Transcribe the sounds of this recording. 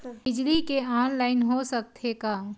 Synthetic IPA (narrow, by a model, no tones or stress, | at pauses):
bɪd͡ʒlikeaːnlaːɪnɦosək̚t̪ʰekaː